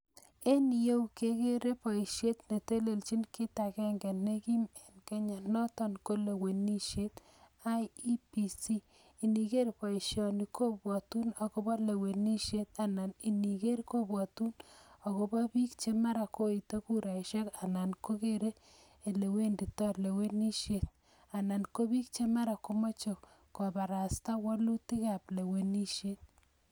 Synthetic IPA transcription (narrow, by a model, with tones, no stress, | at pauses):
e˦ni˨je˦wke˦ke˦ɾe˦pɔ˨i˨ʃje˦t̪ne˨te˦le˨lt͡ʃi˦nke˦ta˨kɛ˦ŋɡɛ˨ne˦ki˦mɛ˨nkɛ˦ɲa˨nɔ˦tɔ˨nko˦le˨we˨ni˦ʃe˦t̪ | a˦ji˦pi˨si˦ | i˨ni˨ke˦rpɔ˨ʃjɔ˨ni˨kʰo˦bwɔ˨tu˦no˨ko˦ba˦le˨we˨ni˦ʃe˦t̪a˨na˨ni˨ni˨ke˦ɾko˦bwɔ˨tu˦na˨ɣo˦ba˦bi˦kt͡ʃe˦ma˦ɾa˨ko˦i˨to˦ku˦ɾa˨iʃɛ˦ka˨na˨nko˦ke˦ɾe˦ | e˨le˨we˦ndi˨tɔ˦ɾle˨we˦ni˦ʃje˨t̪̚ | a˨na˨nko˦bi˦kt͡ʃe˦ma˦ɾa˨ko˦mo˦t͡ʃo˨ | kɔ˨ba˨ɾa˨sta˦wɔ˦lu˦ti˦ka˨ple˨we˨ni˦ʃe˦t̪̚